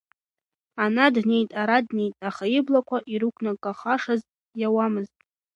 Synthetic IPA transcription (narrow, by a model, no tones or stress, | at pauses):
anadne̞jtʼaɾadne̞jtʼaχaɪblakʷʰaʔiɾukʷʰnakʼːaχaʂaztʼ | jawamɨztʼ